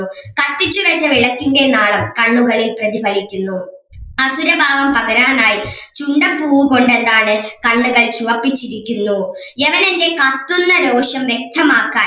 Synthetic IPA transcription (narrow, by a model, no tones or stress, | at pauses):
ukɐt̪ːit͡ɕːuʋet͡ɕːɐʋiɭɐkʲːuŋɡenaːɭɐmkɐɳːuɣɐɭilprɐðibʱɐɾikʲːunːu | ɐsuɾɐbʱaːʋɐmpɐɣɐɾaːnaːjit͡ɕuɳɖɐpːuːʋuko̞ɳɖe̞nd̪aːɳɨkɐɳːuɣɐɭt͡ɕuʋɐpːit͡ɕːiɾikʲːunːueʋɐnende̞kɐt̪ːunːɐɾo̞ːɕɐmʋjek̚t̪ʰɐmaːkːaː